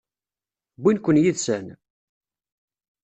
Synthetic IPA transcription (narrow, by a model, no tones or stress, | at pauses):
bːinkʷːənjiðsæn